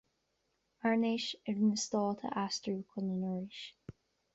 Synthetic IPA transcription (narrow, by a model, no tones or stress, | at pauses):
aɹneʃɪɹnəst̪ɔːt̪ʰə̰ʔastɹuːkʰɔnənɔɹɪʃ